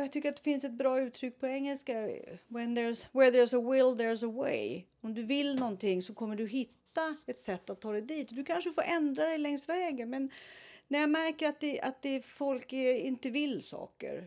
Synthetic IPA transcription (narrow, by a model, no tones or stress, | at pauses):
jaɡt̪ʰʏkːəɾat̪̚d̪ɛfɪnsɛt̪̚bɾɑːʉ̟ːt̪ʰɾʏk̚ːpʰɔɛŋːɛlskawɛnd̪ɛswɛðɛsəwɪld̪ɛs̬əwḛj | ɔmd̪ɵvɪlnɔnt̪ʰɪŋːsɔkʰɔmːəɖɵɦɪt̪ːaɛt̪sɛt̪ːat̪ʰːɑːd̪ɛd̪iːt̪d̪ɵkʰanʂəfoːɾʔɛnd̪ɾad̪ɛjlɛŋsvɛːɡənmɛnnæɾjamæɾkəɾat̪̚d̪ɛa̰t̪̚d̪ɛfɔlkɪnt̪əvɪlsɑ̰ːkə̰ɾ